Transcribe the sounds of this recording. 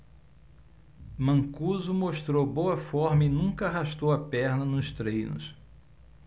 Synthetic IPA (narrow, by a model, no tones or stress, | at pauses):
mɐ̃ŋkuzʊmoʃt̪ɾowbowɐfɔɾmɐɪnũkɐaɦaʃt̪owɐpɛɾnɐnʊst̪ɾejnʊ̰s